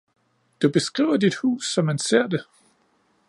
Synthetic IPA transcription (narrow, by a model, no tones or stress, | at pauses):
d̥ub̥e̝sɡ̥ʁḭːʊɐdid̥hṵːsːɒ̽mːænse̝ɐ̰d̥e̝